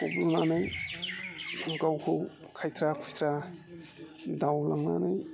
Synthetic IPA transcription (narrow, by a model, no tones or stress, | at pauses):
ubunanaj | ɡawkʰow | kʰajt̪ʰɾakʰujt̪ʰɾa | dawlaŋna̰naj